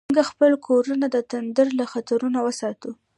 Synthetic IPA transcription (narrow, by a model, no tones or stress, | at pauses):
ɡaxpəlkʰoɾunad̪ət̪and̪əɾlaxat̪aɾunawəsɑt̪u